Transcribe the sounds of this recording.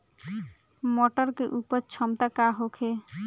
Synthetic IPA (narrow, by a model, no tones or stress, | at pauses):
mɔʈəɾkeʔupəɾt͡ʃʰɔmt̪akaɦokʰe